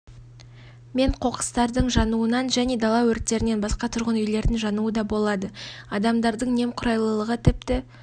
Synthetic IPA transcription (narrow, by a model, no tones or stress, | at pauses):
me̞ɴqʰo̞qə̥st̪ɑɾd̪əɴʒɑnuənɑnʒæne̞d̪ɑlˠɑwɵɾt̪ːe̞ɾɪne̞nbɑsqɑt̪ʰʊɾʁənʏjle̞ɾd̪ɪnʒɑnuəd̪ɑbo̞lˠɑd̪əɑd̪ɑmd̪ɑɾd̪əɴne̞mqʰʊɾɑjlˠəlˠəʁət̪ʰɪp̚t̪ɪ